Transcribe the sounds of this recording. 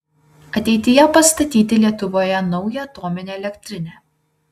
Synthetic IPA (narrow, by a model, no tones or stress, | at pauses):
ɐt̪ʲɛɪt̪ʲɪjɛpɐst̪ɐt̪ʲiːt̪ʲɪlʲiɛt̪ʊʋoːjɛnɒʊjɛɐt̪oːmʲɪnʲeːɛlʲɛkʲt̪ʲɾʲɪnʲeː